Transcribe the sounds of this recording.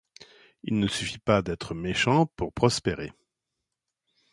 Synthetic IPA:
ilnəsyfipad̪ɛt̪χəmeʃɑ̃puʁpχɔspeʁḛ

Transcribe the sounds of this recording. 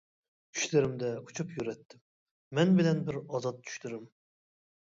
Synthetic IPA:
t͡ʃʰy̥ʃlɪɾɪmd̪ɛut͡ʃʰupjyɾɛt̪ʰːɪmː | ɛnbɪlɛnbɪɾɑzɑt̪̚t͡ʃʰːy̥ʃlɪɾɪm

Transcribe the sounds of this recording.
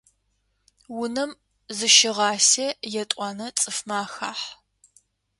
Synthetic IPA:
wʊnɐm | zɨʃɪʁɑːsejɛtʷʼɑːnɐt͡sʼɨfmaːxa̰ːħ

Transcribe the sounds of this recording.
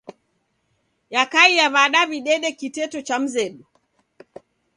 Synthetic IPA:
jakaijaβaɗaβiɗɛɗɛkitɛtɔt͡ʃam̩zɛɗu

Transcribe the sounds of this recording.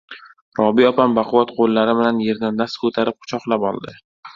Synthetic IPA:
ɾɒbiɒpʰambaqʰʊvat̪qʰolˠːaɾɪbɪlanje̞ɾd̪anːaskʰɵt̪ʰaɾɪp̚qʰʊ̥t͡ʃʰɒqlˠapɒ̰lˠd̪ɪ

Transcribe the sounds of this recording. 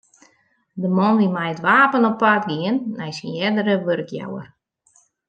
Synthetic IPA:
dəmɔnʋimɛjətʋaːpənɔpːatɡiənːɛjsinjɛdəɾəʋørkja̰wə̰r

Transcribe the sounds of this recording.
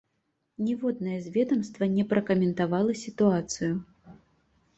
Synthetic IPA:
nʲɛvɔd̪nɐjɛzʲvʲɛd̪ɐmst̪vɐnʲɛpɾɐkɐmʲɛnt̪avalˠɐsʲit̪uat̪sɨju

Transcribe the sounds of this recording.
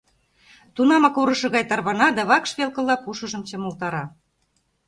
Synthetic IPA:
t̪unɑmɑkuɾɤ̆ʃɤ̆ɣɑjt̪ɑrβɑnɑd̪æβɑkʃβʲelkɤ̆lˠːɑpuʃɤ̆ʒɤ̆mt͡ɕɤ̆molt̪ɑɾɑ

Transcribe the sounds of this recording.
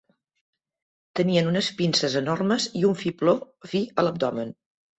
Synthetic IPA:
t̪əniənunəspinsəzənɔrməziuɱfiplo | fiələb̚d̪ɔmən

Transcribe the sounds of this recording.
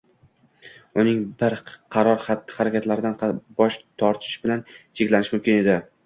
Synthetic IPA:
ʊnɪŋbɪɾqʰɑɾɒɾχat̪ːɪ̥χaɾakʲʰat̪laɾɪd̪anbɒʃt̪ʰɒɾt̪ʰɪ̥ʃbɪlant͡ʃʰekʲlanɪʃmʊmkʲɪne̞d̪ɪ

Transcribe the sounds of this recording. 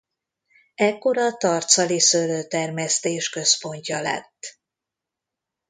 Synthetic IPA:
ɛkːo̞ɾɒt̪ɒrt̪sɒlisøløːt̪ɛrmɛst̪eːʃkø̞spo̞ɲcɒlɛ̰t̪ː

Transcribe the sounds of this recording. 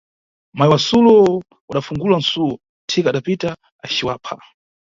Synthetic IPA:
majwasulɔ | waɗafuŋɡulan̩sulɔ | tʰɛkaɗapita | at͡ʃiwaːpʰa̰

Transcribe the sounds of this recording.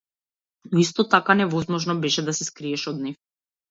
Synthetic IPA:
nɔist̪ɔt̪akanɛvɔzmɔʒnɔbɛʃɛd̪asɛskɾiɛʃɔd̪̚nif

